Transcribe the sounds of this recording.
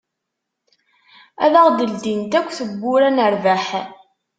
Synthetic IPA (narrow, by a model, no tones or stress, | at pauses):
æðaʁd̪əld̪int̪ækʷːθəbːʊɾænəɾvaħ